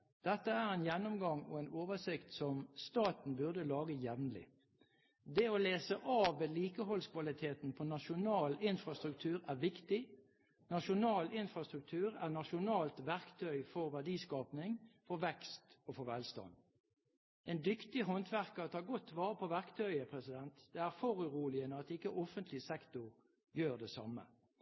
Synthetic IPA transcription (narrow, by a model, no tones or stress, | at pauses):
d̪̥ɛt̪ːəæːʁɛɪnjɛnːʊmɡɑŋɔ̰ɛnoːʋəsɪkt̪sɔmst̪ɑːt̪n̩bʉʁd̪əlɑːɡəjɛʋnəlɪ̰ | d̪ɛɔleːsəʔɑːʋːeːliːkəɦɔlskʰʋɑlɪt̪ʰeːt̪n̩pʰɔnɑʃʊnɑːlɪnfʁɑst̪ʁʉk̚t̪ʰʉːʁæʁʋɪkt̪ɪ | nɑʃʊnɑːlɪnfɾɑst̪ʁʉk̚t̪ʰʉːɾæʁnɑʃʊnɑːlt̪ʋæʁkt̪ʰœʏfɔʁʋæɖiːskɑːpnɪŋfɔɾʋɛkst̪ofɔʋɛlst̪ɑ̰n | ɛnd̪ʏkt̪ɪɦɔnt̪ʰʋæʁkɑt̪ʰɑːɡɔt̪ːʋɑːʁəpʰɔʋæʁkt̪ʰœʏəpʰʁɛsɪd̪ɛnt̪d̪̥ɛæʁfɔʁʉʁuːlɪənəɑt̪ɪkːəʔɔfənt̪ʰlɪsɛkt̪ʊʁ | jøːʁd̪ɛsɑ̰mə̰